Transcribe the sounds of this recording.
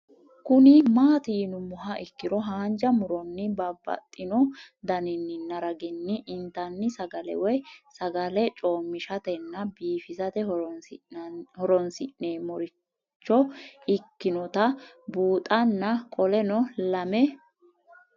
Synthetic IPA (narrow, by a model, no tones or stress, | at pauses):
kʊnɪmaːt̪iːnʊmʊɦɐʔɪkːɪɾɔɦaːnd͡ʒɐmʊɾɔnːɪbɐbːɐ̰t̪ʼːɪnɔ | d̪ɐnɪnːɪnɐɾɐɡɪnːɪʔɪnt̪ɐnːɪsɐɡɐlɛ̰wɛsɐɡɐlɛt͡ʃʼoːmːɪʃɐt̪ɛnːɐbiːfɪzɐt̪ɛh | hɔɾɔnsɪ̰ʔneːmɔɾɪ | t͡ʃːɔɪkːɪnɔt̪ɐ | buːt̪ʼɐnːɐkʼɔlɛnɔlɐmɛ